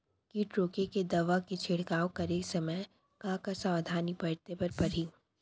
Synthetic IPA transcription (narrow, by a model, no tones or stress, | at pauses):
kiʈɾoːkeked̪ɐʋaket͡ʃʰɪɽkaːokɐɾeːksɐməj | kãːkasãʋd̪ʱaːnibɐɽt̪epɐɾpɐɾ̤iː